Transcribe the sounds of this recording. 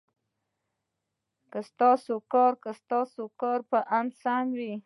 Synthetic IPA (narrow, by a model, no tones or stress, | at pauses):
kəst̪ɑsokɑɾkəst̪ɑsokɑɾpəʔansanwi